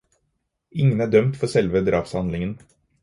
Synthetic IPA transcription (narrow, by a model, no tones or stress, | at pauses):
ɪŋənæːɖœmt̪fɔɾsɛlʋəd̪ɾɑːpshɑnd̪lɪŋən